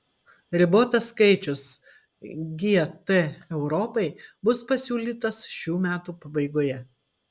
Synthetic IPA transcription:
ɾʲɪboːt̪ɐskɐɪt͡ʃʲʊs | ɡʲiɛt̪ɛɛʊɾɔːpɐɪbʊspɐsʲuːlʲiːt̪ɐsʃʲuːmʲæːt̪uːpɐbɐɪɡoːjɛ

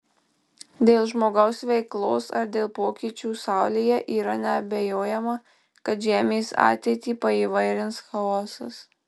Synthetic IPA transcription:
d̪ʲeːlˠʒmoːɡɐʊsʋʲɛɪklˠoːsɐ̰ɾd̪ʲeːlˠpoːkʲiːt͡ʃʲuːsɑˑʊlʲijɛʔiːɾɐnʲɛɐbʲejoːjɛmɐ | kɐt̪ʒʲæːmʲeːsɑ̰ːt̪ʲeɪt̪ʲiːpɐiːʋɐɪɾʲɪnsxɐɔːsɐ̰s

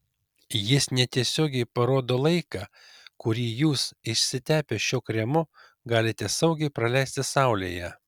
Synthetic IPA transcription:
jɪsnʲɛt̪ʲiɛsʲoːɡʲɛɪpɐɾoːd̪oːlˠɐɪkɑ | kʊɾʲiːjuːsɪʃʲsʲɪt̪ʲæːpʲeʃʲoːkɾʲɛmʊ | ɡɑːlʲɪt̪ʲɛsɐʊɡʲɛɪpɾɐlʲæˑɪsʲt̪ʲɪsɑʊlʲḛːjɛ

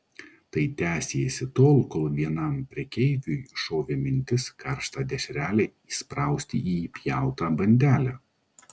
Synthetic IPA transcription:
t̪ɐɪt̪ʲæːsʲesʲɪt̪oːlˠkoːlˠʋʲiɛnɐˑmpʲɾʲiɛkʲɛɪʋʲujʃoːʋʲɪmʲɪnʲt̪ʲɪskɐɾʃt̪ɑːd̪ʲɛʃʲɾʲæːlʲɛːiːspɾɑˑʊsʲt̪ʲɪiːpʲjæˑʊt̪ɑːbɐnʲd̪ʲæːlʲæ

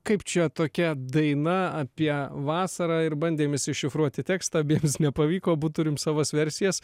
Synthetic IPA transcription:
kɐɪpt͡ʃʲɛt̪oːkʲɛd̪ɐɪnɐɐpʲiɛʋɑːsɐɾɑːɪɾbɐnʲd̪ʲeːmɪsʲɪʃʲɪfɾuɔt̪ʲɪt̪ʲæːkst̪ɑːbʲeːmsnʲɛpɐʋʲiːkoːbuːt̪t̪ʊɾʲɪmsɑːʋɐːsʋʲɛɾʲsʲɪjɛs

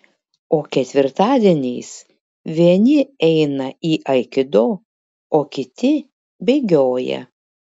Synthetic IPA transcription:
oːkʲɛt̪ʲʋʲɪɾt̪ɑːd̪ʲiɛnʲɛɪs | ʋʲiɛnʲɪɛɪnɐiːʔɐɪkʲɪd̪oː | oːkʲɪt̪ʲɪ | bʲɛɪɡʲoːjɛ̰

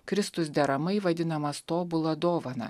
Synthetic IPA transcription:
kɾʲɪst̪ʊs̬d̪ʲɛɾɐmɐɪʋɐd̪ʲɪnɐmɐst̪oːbʊlˠɐd̪oːʋɐnɐ̰

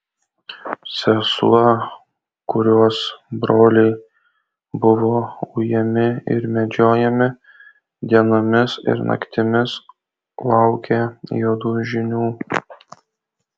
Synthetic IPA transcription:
sʲɛslˠɐ | kʊɾʲuɔsbɾoːlʲɛɪ | bʊʋoːʊjɛmʲɪɪ̰ɾmʲɛd͡ʒʲoːjɛmʲɪ | d̪ʲiɛnoːmʲɪsɪ̰ɾnɐ̰kt̪ʲɪmʲɪs | lˠɑʊkʲɛjoːd̪uːʒʲɪnʲuː

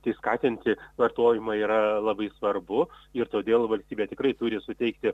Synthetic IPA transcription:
t̪ɐɪskɑːt̪ʲɪnʲt̪ʲɪʋɐrt̪oːjɪmɑːiːɾɐlˠɐbɐɪsʋɐrbʊɪrt̪oːd̪ʲeːlˠʋɐlʲsʲt̪ʲiːbʲeːt̪ʲɪkɾɐɪt̪ʊɾʲɪsʊt̪ʲɛɪkt̪ʲɪ

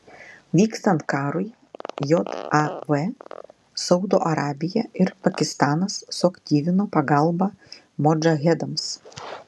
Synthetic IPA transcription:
ʋʲiːkst̪ɐnt̪̚kɑːɾʊj | jot̪ɐʋɛ | sɐʊd̪oːʔɐɾɑːbʲɪjɛɪɾpɐkʲɪst̪ɑːnɐsːʊɐkt̪ʲiːʋʲɪnoːpɐɡɐlˠˑbɐ | mɔd͡ʒɐɣʲɛd̪ɐms

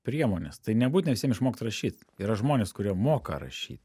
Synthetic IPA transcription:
pʲɾʲiɛmoːnʲḛst̪ɐɪnʲɛbuːt̪ʲneʋʲɪsʲiɛmɪʃmoːkʲt̪ɾɐʃʲiːt̪iːɾɐʒmoːnʲeːskʊɾʲiɛmoːkɐ̰ɾɐ̰ʃʲḭːt̪

